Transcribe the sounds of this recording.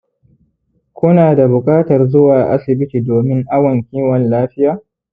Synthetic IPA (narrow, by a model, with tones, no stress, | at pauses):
kʷʊ˦naː˨da˨bʊ˨kʼaː˦tɐ˨rzʊ˦waː˨ʔa̰˦sɪ˨bɪ˦ti˨doː˨mɪ˦ŋʔa˦wɐ˨ŋkʲiː˦wɐ˨nlaː˦ɸɪ˦jaː˨